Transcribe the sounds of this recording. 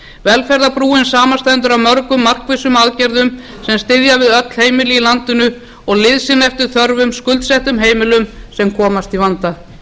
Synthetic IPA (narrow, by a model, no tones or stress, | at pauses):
vɛlfɛɾðapɾuːɪnsaːmanst̪ajɪnt̪ʏɾamœɾkʏmːar̥kvɪsʏmaðcɛɾðʏm | sɛmst̪ɪðjavɪðœt̪l̥heːjmɪlɪilant̪ʏnʏ | ɔɣlɪðsɪnɛft̪ʏɾ̥θœɾvʏmskʏlt̪sɛht̪ʏmɦeːjmɪlʏmsɛmkʰɔːmast̪ivant̪a